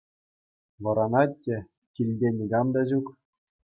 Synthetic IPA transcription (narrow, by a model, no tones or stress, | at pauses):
ʋɤ̆ɾɑnɑtʲːĕ | kʲilʲdʲenʲiɡɑmd̪ɑʑuk